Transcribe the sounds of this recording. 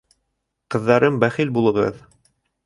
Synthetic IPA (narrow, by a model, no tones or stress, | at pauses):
qɤ̆ðːɑɾɤmbæχilbulˠɤ̆ʁɤ̰ð